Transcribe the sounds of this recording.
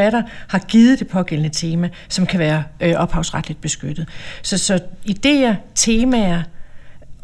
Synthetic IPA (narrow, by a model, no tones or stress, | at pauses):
æɾɐhɑ̈ɡ̥iːð̩ˠd̥e̝pʰɒ̽ɡ̥elənət͡sʰe̝ːmæ | sɒ̽mkʰæʋæːɐʔʔɒ̽b̥hɑ̈ʊsʁɑd̥lid̥̚b̥e̝sɡ̥ød̥ð̩ˠsɒ̽sɒ̽id̥e̝̰ːɐt͡sʰe̝ːmæɐ